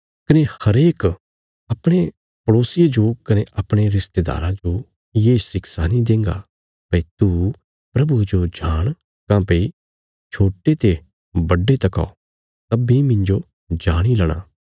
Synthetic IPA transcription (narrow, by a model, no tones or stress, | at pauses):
kɐnehɐɾeːk | ɐpɽ̃e | pɐɽoːsɪjed͡ʒokɐneʔɐpɽ̃eɾɪst̪eːd̪a̰ːɾãd͡ʒo | jeːsɪksanid̪ẽːŋɡa̰ | pɐit̪u | pɾɐbued͡ʒod͡ʒʱaːɽ̃ | kãːpei | t͡ʃʰoːʈet̪e | bɐɖːet̪ɐka̰ː | t̪ɐbimɪ̃ɲd͡ʒo | d͡ʒaːɽ̃ilɐɽ̃a̰ː